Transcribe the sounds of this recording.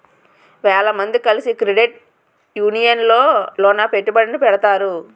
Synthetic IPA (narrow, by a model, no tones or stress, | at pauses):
ʋɛːɭɐmɐnd̪ikɐlisikɾeɖeʈ̚ | juːnijɐnlo̞ːlɔːnaːpe̞ʈːubɐɽɐnipɛɽɐt̪aːɾu